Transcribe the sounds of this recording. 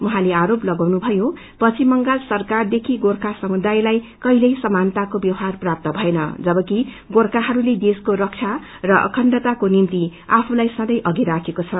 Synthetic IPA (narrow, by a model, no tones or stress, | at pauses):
uɦãleaɾoplʌɡawnubʱʌjo | pʌt͡sʰimʌŋɡalsʌrkard̪ekʰiɡorkʰasʌmud̪ajlajkʌjlʌjsʌmant̪akobjʌwɦarprap̚t̪ʌbʱʌenʌ̰d͡zʌbʌki | ɡorkaɦʌɾuled̪eskoɾʌkt͡sʰa | rʌʔʌ̰kʰʌnɖʌt̪akonint̪iapʰulajsʌ̃d̪ʌjʔʌɡiɾakʰekot͡sʰʌ